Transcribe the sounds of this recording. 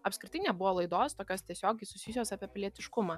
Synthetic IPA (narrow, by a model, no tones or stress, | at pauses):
ɐpskɾʲɪt̪ɐɪnʲɛbʊʋoːlˠɐɪd̪oːst̪oːkʲoːst̪ʲiɛsʲoːɡʲɛɪsʊsʲijsʲoːsaːpʲiɛpʲlʲiɛt̪ʲɪʃkʊmɑː